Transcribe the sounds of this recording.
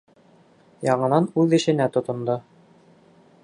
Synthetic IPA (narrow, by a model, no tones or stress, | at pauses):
jɑɴɤ̆nɑnʉðɘ̆ʃɘ̆næt̪ŏt̪ŏnd̪o